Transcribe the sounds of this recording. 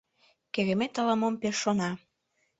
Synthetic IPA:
keɣemet̪əlɑmompeʃːonɑ

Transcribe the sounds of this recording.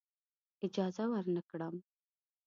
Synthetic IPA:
ɪd͡ʒɑzawəɾnəkɽəm

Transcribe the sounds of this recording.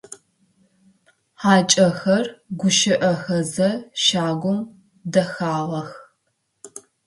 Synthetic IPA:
ħaːt͡ʃʼɐxɐrɡʷʊʃɪʔɐxɐzɐʃaːɡʷʊm | dɐxaːʁɐx

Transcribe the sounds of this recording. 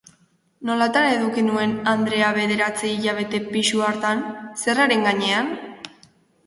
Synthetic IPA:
no̞lat̪ane̞ðukinue̞nand̪ɾe̞aβe̞ðe̞ɾat͡siːʎaβ̞e̞t̪e̞piʃuaɾt̪anse̞raɾe̞ŋɡaɲe̞an

